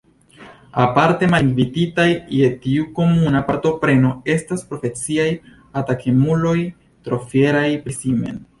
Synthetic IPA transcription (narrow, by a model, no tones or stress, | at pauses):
apaɾte̞maliŋviditajje̞tiuko̞munapaɾtopɾe̞no̞e̞staspɾo̞fe̞t͡siaj | atakʰemulo̞j | tɾo̞fe̞ɾajpɾesime̞̰n